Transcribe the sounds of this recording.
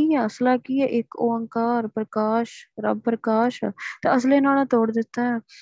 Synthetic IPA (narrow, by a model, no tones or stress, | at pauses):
iːɛːəslaːkiːɛːʔɪkoːəŋkaːɾpɾəkaːʃɾə̰bpɾəkaːʃɛ̰t̪a̰ːəslẽːnaːlãːt̪oːɽd̪ɪt̪ːaːɛ̃ː